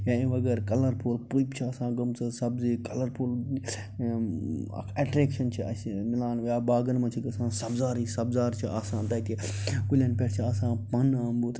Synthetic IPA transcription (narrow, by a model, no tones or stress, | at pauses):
jãĩʋɐɡɐɾkɐlɐɾpulpupt͡ʃʰiɐsãːɡɐmt͡sɐsɐbzikɐlɐɾpul | ɐʈɾeːkʃɐnt͡ʃʰiɐ̰smilaːnʋjaːbaːɡɐnmɐ̃t͡ʃʰiɡɐsãːsɐbzaːɾiːsɐbzaːɾt͡ʃʰiʔaːsãːnt̪ɐit̪ikulʲɐnpʲeʈt͡ʃʰiasãːpɐnaːmbut̪